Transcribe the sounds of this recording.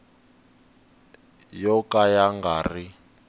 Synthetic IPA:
jɔkajaŋɡaːri

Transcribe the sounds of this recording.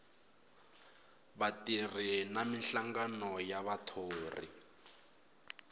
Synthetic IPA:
βatirinaminɬaŋɡanɔjaβatʰoːrḭ

